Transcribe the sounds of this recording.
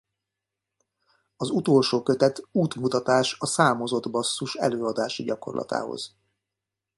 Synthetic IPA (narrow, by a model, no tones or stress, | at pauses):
ɒzut̪o̞lʃoːkø̞t̪ɛt̪uːt̪mut̪ɒt̪aːʃɒsaːmo̞zo̞d̪bɒsːuʃɛ̰løːɒd̪aːʃiɟɒko̞̰rlɒ̰t̪a̰ːɦo̰z̥